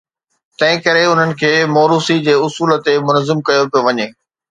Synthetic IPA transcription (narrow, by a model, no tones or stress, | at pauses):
t̪ɐ̃ɦɪ̃kɐɾeʊn̤ənɪ̆kʰeːmɔːɾuːsid͡ʑeːʊsuːlət̪emʊnəzɪmkɐjopijoʋɐɲeː